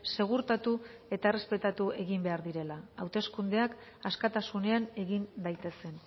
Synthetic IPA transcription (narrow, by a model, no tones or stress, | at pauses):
se̞ɣ̞uɾt̪at̪ue̞t̪aere̞spe̞t̪at̪ue̞ɣimbe̞aɾðiɾe̞laawt̪e̞skund̪e̞akaskat̪asune̞ane̞ɣind̪ajt̪e̞se̞n